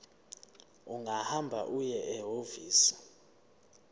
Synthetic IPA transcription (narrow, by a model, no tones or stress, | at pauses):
uŋahambʱa̰ʔujɛʔɛɦoviːsi̥